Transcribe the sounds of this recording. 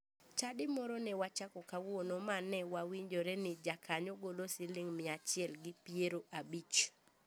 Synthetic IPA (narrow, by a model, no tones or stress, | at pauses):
t͡ʃadɪmɔɾɔnɛwat͡ʃakɔkawonomanɛwawiɲd͡ʒoɾɛnɪd͡ʒakʰaɲoɡolosɪlɪŋmɪat͡ʃɪɛlɡɪpieɾoʔabit͡ʃ